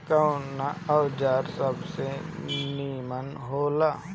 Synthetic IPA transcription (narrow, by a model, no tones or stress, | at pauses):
kənaəwd͡ʒaːɾsəbsemiːmən | ɦoːlaː